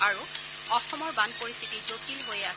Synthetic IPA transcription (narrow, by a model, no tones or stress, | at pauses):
aɹu | ɔxɔmɔɹbanpoɹist̪ʰitid͡ʒotilɦojɛa